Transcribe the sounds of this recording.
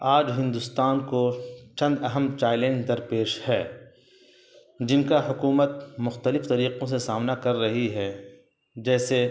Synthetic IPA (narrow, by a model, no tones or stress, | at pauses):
aːd͡ʒɦɪ̃nd̪ʊst̪aːnkot͡ʃɐ̃nd̪ɐɦəmt͡ʃaːɪlẽːɳɡd̪ɐɾpeːʃhɛː | d͡ʒɪnkaɦʊkuːmət̪̚mʊxt̪əlɪft̪ɐɾiːqõs̬esaːmnakɐɾːɐɦiɦɛː | d͡ʒɛːse